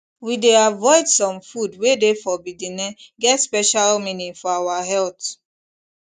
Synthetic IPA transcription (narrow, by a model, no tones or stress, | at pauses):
wideavɔɪdsɔ̃mfudwedefɔbidinɛɡɛtspɛʃalmĩnĩfɔawaɦɛlt